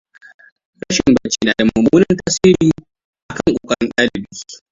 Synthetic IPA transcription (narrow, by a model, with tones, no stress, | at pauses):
ɽɐ˦ʃɪ˨mbɐ˦t͡ʃiː˦naː˨da˨mʊ˨muː˦nɐ˦ntaː˦siː˦ɾiː˦ | ʔa˨kɐ˦˨ŋkʷʼoː˨kʼɐ˦ɽɪ˦nɗaː˦lɪ˨bi̥ː˦